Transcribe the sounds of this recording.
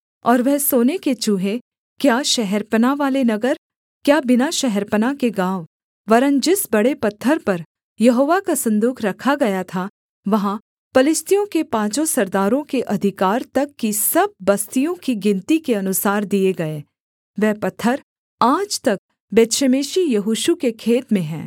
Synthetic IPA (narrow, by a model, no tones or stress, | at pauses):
ɔːɾʋɛɦsoːneket͡ʃuɦe | kjaːʃɛɦɛɾpənaʋaːlenɐɡəɾ | kjaːbɪnaʃɛɦɛɾpənakeɡãːʋ | ʋɐɾə̃nd͡ʒɪsbɐɽepɐt̪ʰːəɾpɐɾ | jɐɦoːʋakasɐ̃nd̪uːkʰɾɐkʰaɡɐjat̪ʰa | ʋɐɦã | pɐlɪst̪ijõkepãːt͡ʃõsɐɾd̪aːɾõkeʔɐd̪ʱɪkaːɾt̪ɐkːisɐb̚ːɐst̪ijõkiɡɪ̃nt̪ikeɐnʊsaːɾd̪ieɡɐeː | ʋɛːpɐt̪ʰːəɾ | aːd͡ʒt̪ɐk̚ | beːt̪ʃəmeːʃijɐɦuːʃukekʰeːt̪mẽɦɛ̰̃ː